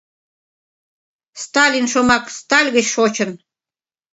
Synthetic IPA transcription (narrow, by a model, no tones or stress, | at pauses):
st̪ɑlʲinʃomɑkst̪ɑlʲɣə̆t͡ɕʃot͡ɕə̆n